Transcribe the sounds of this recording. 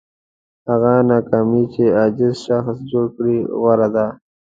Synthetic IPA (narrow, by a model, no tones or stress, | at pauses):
haɣanakaːmit͡ʃead͡ʒɪzʃaxsd͡ʒoɽkɽiɣaɾad̪a